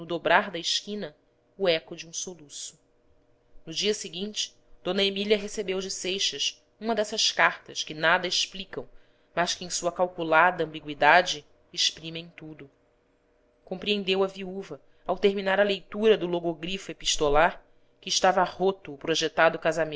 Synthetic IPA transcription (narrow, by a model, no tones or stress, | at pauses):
nʊd̪obɾaɾd̪ɐɪʃkĩnɐ | ʊɛkʊd͡ʒɪũsolusʊ̥ | nʊd͡ʒiɐseɡĩnt͡ʃɪ̥ | d̪̥õnɐemiliɐɦesebewd͡ʒɪsejʃɐs | ũmɐd̪ɛsɐʃkaɾt̪ɐʃkɪnad̪ɐeʃplikɐ̃w̃ | maʃkɪẽj̃suɐkawkulad̪ɐɐ̃mbiɡwid̪ad͡ʒɪ | eʃpɾĩmẽj̃t̪ud̪ʊ | kõmpɾiẽnd̪ewɐviuvɐ | awt̪eɾminaɾɐlejt̪uɾɐd̪ʊloɡoɡɾifepiʃt̪olaɾ | kɪːʃt̪avɐhot̪ʊːpɾoʒet̪ad̪ʊkazamẽ